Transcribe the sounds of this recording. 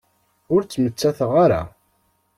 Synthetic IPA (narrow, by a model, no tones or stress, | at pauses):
ʊɾt͡sːmət͡sːæθəʁaɾa̰